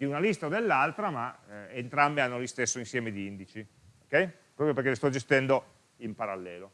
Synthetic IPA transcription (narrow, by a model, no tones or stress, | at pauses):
d̪̥iunalist̪aod̪elːalt̪ɾamaent̪ɾambeanːolist̪esːoinsjɛːmed̪iind̪it͡ʃi | okːɛj | pɾɔpɾjoperkelest̪ɔd͡ʒest̪ɛnd̪o | impaɾalːɛːlo